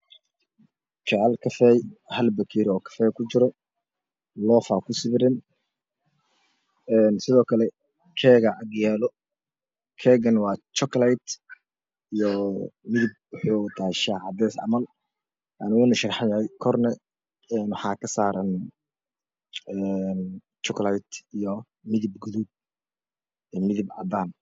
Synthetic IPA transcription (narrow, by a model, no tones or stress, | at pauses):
t͡ʃɛʕɛlkʰɐfɛjhɐlbɐkʰiɾɪɔːkʰɐ̥fɛːjkʰʊt͡ʃɪɾɔ | lɔːfakʰʊsɪβɪɾɪn | ɛːnsɪðɔːkʰɐlɛ | kʰɛːɣɐʕɑɡjɛːlɔ | kʰɛːɡɐnwɑːt͡ʃɔklajt̪ | ijɔmɪðɪb̚wʊħuːt̪ʰaʃaːʕɑd̪ɛːsɐ̰mɐl | ʔanɪɣʊnɐʃɐrħajɐhɛjkʰɔrnɛ | ɛːnwɑħɑːkʰɐsaːɾɐn | ɛn | t͡ʃɔklajt̪ijɔ | mɪðɪb̚ɡuðub̚ | ɛmɪðɪbʕɑ̰d̪aːn